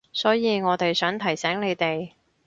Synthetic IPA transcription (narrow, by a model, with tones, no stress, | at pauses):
sɔː˨˥jiː˨˧ŋɔː˨˧t̪e˨jsœː˨˥ŋt̪ʰɐ˨˩jsɛː˨˥ŋne˨˧jt̪e˨j